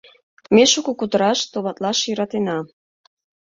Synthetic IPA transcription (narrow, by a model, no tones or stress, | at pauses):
meʃukukut̪əɾɑʃt̪oβɑt̪lɑʃjəɾɑt̪enɑ